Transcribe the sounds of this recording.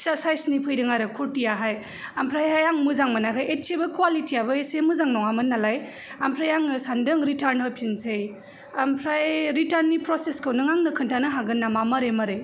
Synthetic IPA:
sasajsnipʰɯjdɯŋaɾɯkʰuɾtijaɦaj | ampʰɾajajaŋmɯzaŋmanakʰajʔett͡ʃebɯkwalitʰiabɯesemɯzaŋnɔŋamɯnːalaj | ampʰɾajaŋɯsandɯŋɾitʰaɾnbɯpʰinsej | ampʰɾajɾitaɾnːipɾɔseskʰɯwnɯŋaŋnɯkʰɯntʰanɯɦaɡɯnːamamɐɾemɐɾe

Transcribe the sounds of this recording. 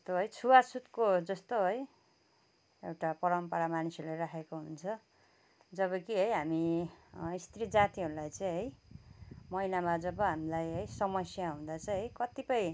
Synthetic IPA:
ʌst̪oɦʌjt͡sʰuwasut̪kod͡zʌst̪oɦʌj | ewʈapʌɾʌmpʌɾamanisʌɾulaɾakʰekoɦunt͡sʰʌ | d͡zʌβʌkiɦʌjɦami | ist̪ɾid͡zat̪iɦʌɾulajt͡saj̃ɦʌj | mʌjnamad͡zʌbʌɦamilajɦʌjsʌmʌsjaɦũd̪at͡sʌj̃ɦʌjkʌt̪ipʌj̃

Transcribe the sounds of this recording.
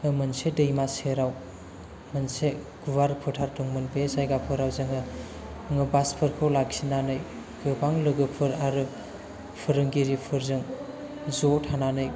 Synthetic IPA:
ɯmɯnsedɯjmaseɾaw | mɯnse | ɡ̥uwaɾpʰɯtʰaɾtɯŋmɯnpesajɡapʰɯɾawzɯŋɯ | ŋɯbaspʰɯɾkʰɯwlaksinanɯj | ɡɯbaŋlɯɡɯpʰɯɾaɾɯ | pʰɯɾɯŋɡiɾipʰɯɾzɯŋ | zotʰananɯj

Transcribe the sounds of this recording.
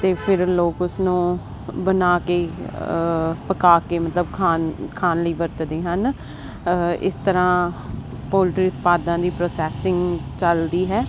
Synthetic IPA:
t̪eːpʰɪɾloːkʊsnũː | bənaːkeː | pəkaːkeːmət̪ləbkʰaːnkʰaːnləiːʋəɾt̪d̪eːɦən | ɪ̰st̪əɾãː | poːlʈɾiːʊt̪paːd̪ãːd̪iːpɾoːsɛːsɪŋɡt͡ʃəld̪iːɦɛː

